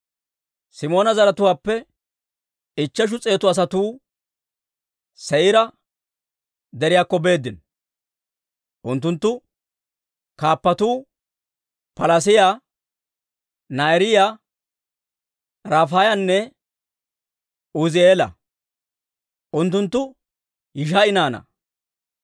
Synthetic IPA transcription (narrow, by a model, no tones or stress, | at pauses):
sɪmo̞ːnɐzɐɾɐt̪ʊwaːpːɛ | ɪt͡ʃːɐʃ̬ʊt͡sʼe̞ːt̪ʊɐs̬ɐt̪uː | sɛjɪɾɐ | d̪ɛɾɪjaːkːɔbe̞ːd̪ːɪn | ʔʊnt̪ːʊnt̪ːʊ | kaːpːɐt̪uː | pɐlɐs̬ɪja | naɛɾɪja | ɾaːfaːjɐnːɛ | ʊzɪeːlɐ̰ | ʔʊnt̪ːʊnt̪ːʊ | jɪʃaɪnaːnɐ̰